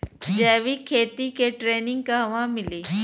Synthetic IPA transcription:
d͡ʑɛːʋikʰeːt̪ikeʈɾeːnɪ̃ŋɡkaɦʋãmɪliː

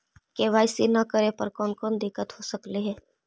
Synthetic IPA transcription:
keːʋaːɪsinɐkəɾepəɾkɔːnkɔːnd̪ɪkːət̪ɦosəkleɦɛ̃ː

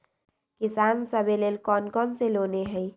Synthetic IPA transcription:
kisansəbelelkɔnkɔnseloneɦəj

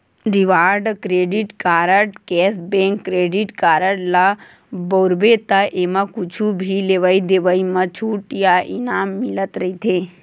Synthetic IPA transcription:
ɾiʋaːɾɖkɾeːɖiʈkaːɾəɖkɛːsbẽːŋkːɾeːɖiʈkaːɾəɽla | boːɾbet̪aʔemãkut͡ʃʰubʱileʋəid̪eʋəimɐt͡ʃʰuʈjaʔinaːmːilət̪ɾɐit̪ʰe

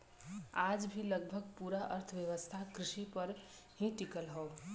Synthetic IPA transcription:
ad͡ʒbʱiləɡ̚bʱəɡ̚puːɾaʔəɾt̪ʰəʋjəʋəst̪ʰakɾɪʃipəɾ | hĩʈikəlɦɔ

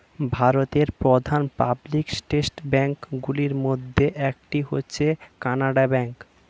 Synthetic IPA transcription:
bʱaɾot̪eɾpɾod̪ʱanpabliksʈesʈbɛŋkɡuliɾmod̪ʱːeʔɛkʈiɦotːɕʰekanaɖabɛŋk

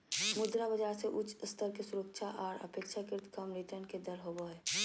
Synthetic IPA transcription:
mʊd̪ɾabəd͡ʒaːɾseʔʊt͡ʃʰst̪ʰəɾkesʊɾəkʃʰaʔaːɾə̰peːkʃʰakɪɾt̪ʰkəmɾit̪ənked̪əɾɦoboɦɛː

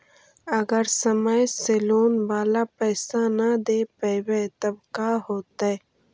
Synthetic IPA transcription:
ɐɡəɾsəməjseːloːnʋaːlapɛːsanɐd̪eːpəwet̪ɐbkaːɦoːt̪a

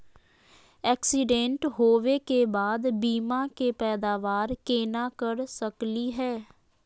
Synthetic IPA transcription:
ɛːksiɖẽɳʈɦoːʋeːkeːbaːd̪biːmãːkeːpɛːd̪aːʋaːɾkeːnãːkəɾsəkliːɦɛː

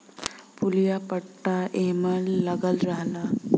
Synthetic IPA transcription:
puljapəʈːaeməlːəɡəlɾaɦla

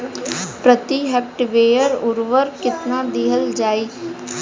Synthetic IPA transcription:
pɾət̪iɦɛːp̚ʈʋeːjəɾʊɾʋəɾkɪt̪nad̪iɦəld͡ʒaːiː

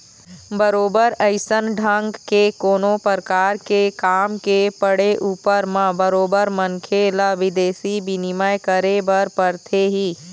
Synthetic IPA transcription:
bəɾoːbəɾəɪsənɖʱãŋɡkekoːnõpəɾkaːɾkekaːmkepəɽeʔuːpəɾmãbəɾoːbəɾmə̃ŋkʰelaʋɪd̪eːsibinɪməjkəɾebəɾpəɾt̪ʰeɦiː

